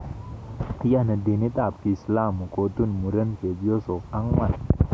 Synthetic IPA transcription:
t̪i˦ja˦nɐ˨d̪i˨ni˦t̪ʼa˨p̚ki˨sla˦mu˨kʼo˨t̪u˦nmuɾɐ˦nfe˨bjo˦so˨a˦ŋma˨n

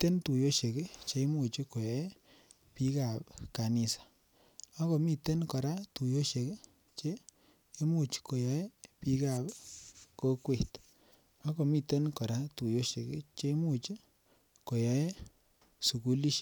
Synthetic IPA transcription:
te˦ntu˨jo˦ʃe˨ke˦t͡ʃe˦mu˨t͡ʃi˦ko˨jɔ˦e˦ | pi˦ka˨pka˨ni˨sḁ˨ | a˦kɔ˨mi˨te˦nkɔ˨ɾa˦tu˨jo˦ʃe˨ke˦ | t͡ʃeː˦ | mu˨t͡ʃko˨jɔ˨˦e˦pi˦ka˨pko˦kwe˨t | ɔ˦kɔ˨mi˨te˦nkɔ˨ɾa˦tu˨jo˦ʃe˨kḛ˦t͡ʃe˦mu˦˨t͡ʃi˦ | ko˨jɔ˦je˦ | su˨ku˦li˦ʃ

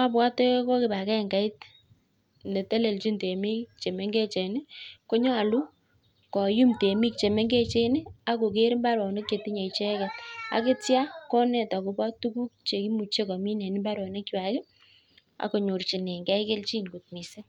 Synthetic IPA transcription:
a˦p̬wa˦te˦kɔ˦kɪ˨ba˨kɛ˦˨ŋɡa˨ɪ˦t | nde˨tɛ˦le˨lt͡ʃi˦nte˨mi˦kt͡ʃe˨me˦ŋɡe˦t͡ʃe˨nɪ˦ko˦ɲɔ˦a˨lu˦ | kɔ˨ju˦mte˨mi˦k̚t͡ʃe˨me˦ŋɡe˦t͡ʃe˦nɪ˦a˦ko˨ke˦ɾmba˦ɾwɔ˨ne˦kt͡ʃe˨ti˦ɲe˨t͡ʃe˦kɛ˨ta̰˨ke˦tja˦kɔ˦nɛ˨ta˨ko˨pa˦tu˦ku˦k̚t͡ʃe˨ki˦mu˨t͡ʃe˦kɔ˨mi˦nɛ˨ni˦mba˦ɾwɔ˨ne˦kːɪ˦ba˨kɪ˦ | a̰˨ko˨ɲo˨rt͡ʃi˨ne˨ŋɡɛ˦ike˦lt͡ʃi˦nku˨t̚mi˨se˦

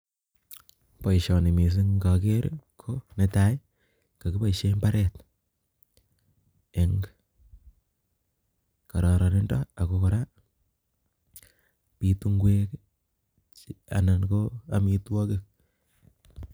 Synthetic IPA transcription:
pɔ˨iʃɔ˨ni˨mi˨s̬ɪ˦ŋɡa˨ke˦ɾkʰo˦ne˦ta˦j | ka˨ki˦pa˦˨iʃe˦mba˦ɾɛ˦t | e˨ŋ | ka˨ɾɔ˨ɾɔ˨nɪ˦nda̰˦a˨ko˨ko˨ɾa˦ | pi˨tu˦ŋɡwe˦k | t͡ʃa̰˨na˨nko˦a˦mi˨twɔ˦kɪ˦k̚

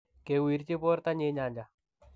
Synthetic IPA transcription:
ke˨wi˨ɾt͡ʃɪ˦po˦ɾt̪a˦ɲɪ˦ɲa˨ɲd͡ʒa˨

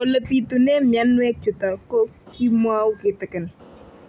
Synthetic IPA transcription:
o˨lə˨ti˨tu˨ne˦mja˦nwɛ˦k̚t͡ʃʊ˨ta˨ko˦ki˦mwa˦wʊ˦kɪ˨tɪ˨kɪ˨n

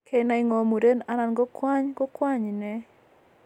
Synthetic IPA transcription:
kʰe˦na˨˦ɪ˦ŋɔ˨mu˨ɾe˦na˦na˨nɡɔ˦kwa˦ɲɡo˦kwa˦ɲnɛ˦

